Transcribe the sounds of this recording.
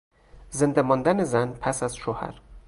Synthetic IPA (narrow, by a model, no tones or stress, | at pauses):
zend̪æmɒːnd̪ænezænpʰæsæzʃoːhæ̰ɾ